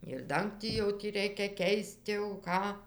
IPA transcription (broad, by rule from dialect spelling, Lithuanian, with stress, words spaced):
ɪr ˈdɐŋktʲiː jɛʊ ˈtʲiː ˈrʲɛɪkʲɛ ˈkʲɛɪst jɛʊ ˈkɑː